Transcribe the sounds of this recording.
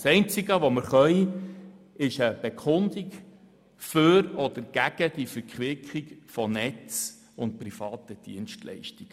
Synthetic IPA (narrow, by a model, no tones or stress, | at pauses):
sɛɪnt͡siɡəʋɔməɾχœi | ɪʃəb̥ekʰʊnd̪ik | føɾɔdəɾɡ̥æɡ̥əd̥ifəɾkχʋɪkχiɡfɔnɛt͡s | ʊnt̚prifɑːt̪əd̥ḭənʃtlɛ̰ɪʃtiɡ̥